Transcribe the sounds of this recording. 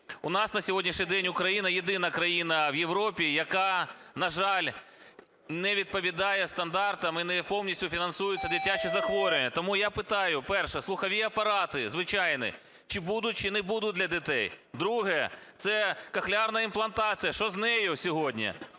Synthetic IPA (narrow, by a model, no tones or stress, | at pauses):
ʊnɑsnɐsʲɔɦɔdʲnʲiʃɲʲijd̪ɛnʲʊkɾɐjinɐjed̪ɪnɐkɾɐjinɐʋjewɾɔpʲijɐkɑnɐʒɑlʲ | nɛʋʲid̪̚pɔʋʲid̪ɑjɛst̪ɐnd̪ɑrt̪ɐmɪnɛpɔwnʲisʲtʲʊfʲinɐnsujʊt͡sʲːɐd̪ɪtʲːat͡ʃɪzɐxʋɔɾʲʊnʲːɐt̪ɔmujapɪt̪ɑjʊpɛrʃɛslˠʊxɐʋʲiɐpɐɾɑt̪ɪzʋɪt͡ʃɑjnɪ̰ | t͡ʃɪbud̪ʊt̚ʲt͡ʃɪnɛbud̪ʊd̪ʲlʲɐdʲɪt̪ɛjd̪ɾuɦɛt̪sɛkɐxlʲɑrnɐimplˠɐnt̪ɑt͡sʲijɐʃɔznɛjʊsʲɔɦɔdʲnʲḭ